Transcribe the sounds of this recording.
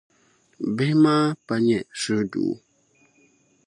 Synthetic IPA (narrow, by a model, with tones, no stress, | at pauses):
bɪ˦hmaː˦pa˦ɲɛ˨sɨ˦dṵ˨˦